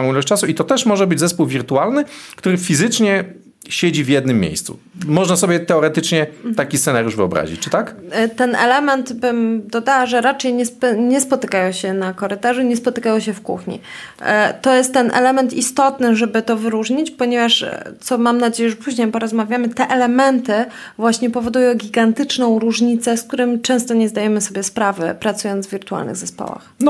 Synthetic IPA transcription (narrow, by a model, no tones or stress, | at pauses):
ɔ̃ilɛɕt͡ɕt͡ʂasuit̪ɔt̪ɛʂmɔʐɛbɘd͡ʑzɛspuwvʲiɾt̪ualnɘkt̪uɾɘfʲizɘt͡ʂɲɛ | ɕed͡ʑivjɛd̪nɘmʲːjḛjst̪sṵ | mɔʐnasɔbʲjɛt̪ɛɔɾɛt̪ɘt͡ʂɲɛt̪akʲist̪sɛnaɾjuʂvɘɔbɾa̰ʑḭt͡ɕt͡ʂɘt̪akt̪ɛnɛ̰lɛmɛnt̪bɘmd̪ɔd̪awaʐɛɾat͡ʂɛjɲɛspɲɛspɔt̪ɘkajɔ̃ɕɛnakɔɾɘt̪aʐuɲɛspɔt̪ɘkajɔ̃ɕɛfkṵxɲḭ | t̪ɔjɛst̪ːɛnʔɛ̰lɛmɛnt̪ist̪ɔt̪nɘʐɛbɘt̪ɔvɘɾuʐɲit͡ɕpɔɲɛvaʂt̪sɔmamnad͡ʑejɛʐɛpuʑɲejpɔɾɔzmavʲjamɘt̪ɛʔɛlɛmɛnt̪ɘ | vwaɕɲɛpɔvɔd̪ujɔ̃w̃ɡʲiɡant̪ɘt͡ʂnɔ̃w̃ɾuʐɲit̪sɛsk̚t̪uɾɘmt͡ʂɛ̃w̃st̪ɔɲɛzd̪ajɛmɘsɔbʲɛspɾavɘ̰pɾat̪sujɔnd̪vʲiɾt̪ua̰lnɘ̰ɣzɛspɔ̰wa̰xn